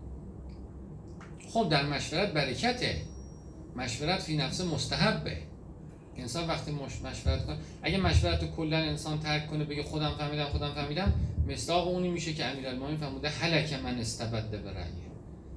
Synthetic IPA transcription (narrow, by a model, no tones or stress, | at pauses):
xob̚d̪æɾmæʃvæɾæt̪̚bæɾecʰæt̪ʰe | mæʃveɾæt̪fiːnæfsemost̪æɦæbːḛ | ʔensɒːnvæxt̪ʰiːmomæʃvæɾæt̪kʰonʔæɟæmæʃvæɾæt̪okʰolːæne̞nsɒːnt̪ʰæɾkʰːonebe̞ɟexod̪æmfæɾmiːd̪æmxod̪æmfæɾmiːd̪æmːe̞sd̪ɒːɣeuːniːmiːʃecʰeæmiːɾælmominfæɾmuːd̪ehælæcʰemænest̪æbæd̪ːebeɾæ̰je